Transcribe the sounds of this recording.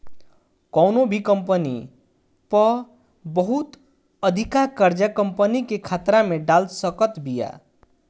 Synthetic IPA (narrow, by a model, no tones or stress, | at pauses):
kɔwnobʱikəmpənḭ | pʌ | bʌɦut̪ | əd̪ʱikakəɾd͡ʒəkəmpənikekʰat̪ɾameɖalsəkət̪bija̰